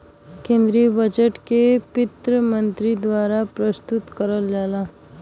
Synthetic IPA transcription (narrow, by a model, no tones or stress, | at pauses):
kẽːnd̪ɾiːəbəd͡ʒəʈkepɪt̪ɾəmə̃nt̪ɾid̪waːɾapɾəst̪ʊt̪kəɾəld͡ʒaːlaː